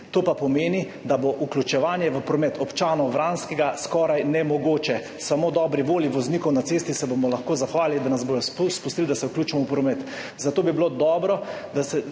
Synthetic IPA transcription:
t̪oːpapɔmeːni | d̪aboʔuklʲut͡ʃɛʋaːnjɛʋəpɾɔmɛt̪ʰɔpt͡ʃaːnɔʋɾanskɛɡaskɔːɾajnɛmɔɡoːt͡ʃɛ | samod̪ɔːbɾiʋoːljiʋɔznikɔwnat̪sest̪isɛbomɔlaxkoːzaxʋaːlilid̪anazbojɔspust̪ild̪asɛuklʲuːt͡ʃɛmɔwpɾɔmɛt̪ | zat̪oːbibilod̪ɔːbɾɔ | d̪asɛ

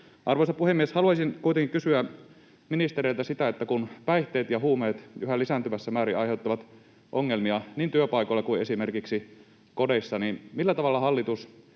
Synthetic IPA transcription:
ʔɑrʋosɑpuhemːieshɑluɑsinkuijt̪eŋkikysyæ | minist̪eɾeilt̪æsit̪æet̪ːækunpæiht̪eːt̪jɑhuːmeːt̪yɦælisænt̪yʋæsːæmæːɾiɑjheut̪ːɑʋɑt̪ | ʔoŋːelmiɑniːnt̪yøpɑikolːekuiesimerkiksi | kodesːɑninmilːæt̪ɑʋɑlːɑhɑlːit̪us

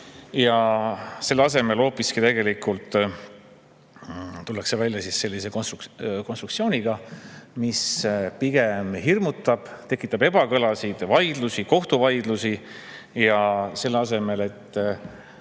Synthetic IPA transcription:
jɑse̞lːɑs̬e̞me̞lo̞ːpiskit̪e̞ɡe̞likˑult̪ˑ | t̪ulːɑkse̞vælʲjɑsisːe̞lːise̞konst̪konst̪rɾuk̪sio̞ːnʲiɡ̥ɑmispiɡ̥emhirmut̪ˑːɑb̥t̪e̞kːˑit̪ːˑɑbe̞b̥ɑkɤlɑsid̪̥vɑjd̪̥lusiko̞ht̪uvɑjd̪̥lusi | jɑse̞lːeɑse̞me̞le̞t̪ː

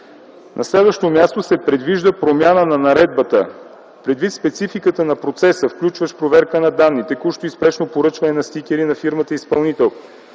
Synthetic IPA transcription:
nʔɐslɛd̪vəʃt̪omjast̪osɛpɾɛd̪viʒd̪əpɾomʲjanənɐnɐɾɛd̪̚bət̪ə | pɾɛd̪vit̪spɛt̪sifikət̪ənɐpɾot̪sɛsəfklʲut͡ʃvəʃpɾovɛɾkənɐd̪anːit̪ɛkuʃt̪oispɛʃnopoɾɤt͡ʃvɐnɛnɐst̪ikʲɛɾinɐfiɾmət̪əispɐlˠnit̪ɛlˠ

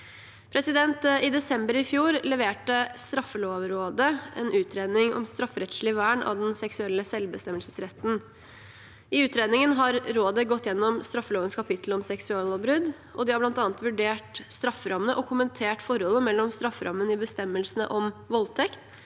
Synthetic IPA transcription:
pʰɾɛsɪd̪ɛnt̪ɪd̪ɛsɛmbəɾɪfjuːɾlɛʋeːʈəst̪ɾɑfːəloːʋəɾoːd̪əɛ̰nʉːt̪ʰɾeːd̪nɪŋʔɔ̰mst̪ɾɑfɾɛt̪slɪʋæːəɳɑ̰ʋd̪ɛnsɛksʉɛlːəsɛlbəst̪ɛmːəlsəsɾɛt̪ːn̩ | ɪʉːt̪ɾeːd̪nɪŋənɦɑɾɾoːd̪əɡɔt̪ːjɛnːɔmst̪ɾɑfːəloːʋənskʰɑpɪt̪ʰlɔmsɛksʉɑloːʋbɾʉd̪ | ɔd̪ɪhɑɾblɑnt̪ɑːnət̪ʋʉɖeːʈst̪ɾɑfːəɾɑmənəʔɔkʰʊmənt̪ʰeːʈfɔɾhɔlːəmɛlːɔmst̪ɾɑfːəɾʔɑ̰mːənɪbəst̪ɛmːəlsənə̰ʔɔmʋɔlt̪ʰɛkt̪

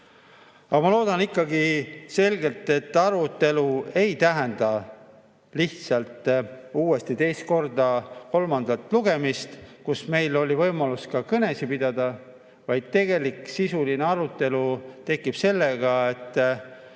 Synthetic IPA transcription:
ɑmɑlo̞ːd̪̥ɑnikːˑɑɡise̞lɡe̞lt̪ːˑe̞t̪ːˑɑɾut̪ˑːe̞lue̞jt̪æɦænd̪̥ɑ | liht̪sɑlt̪uːe̞st̪it̪e̞jst̪̚ko̞rd̪ɑko̞lmɑnd̪̥ɑlt̪ˑluɡe̞mist̪kusme̞jlo̞lʲivɤjmɑluskɑkɤne̞sipid̪̥ɑd̪ɑ | vɑjd̪̥̚t̪e̞ɡ̥e̞likˑsisulineɑɾut̪ːˑe̞lut̪e̞kːˑib̥se̞lːe̞ɡ̥ɑe̞t̪ːˑ

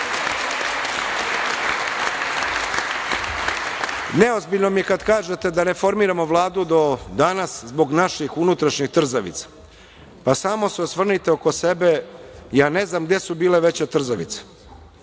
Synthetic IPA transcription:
neo̞zbiʎno̞mijekad̪kaːʒet̪e̞d̪ane̞fo̞ɾmiːɾamoʋlˠaːd̪ud̪o̞d̪anaszboɡnaʃixunut̪ɾaʃɲixt̪r̩zaʋḭt̪sḁ | pasaːmo̞seosʋr̩nit̪eoko̞se̞be̞jaːne̞znamɡd̪je̞subiːleʋe̞t͡ɕet̪r̩zaʋḭt̪sḁ

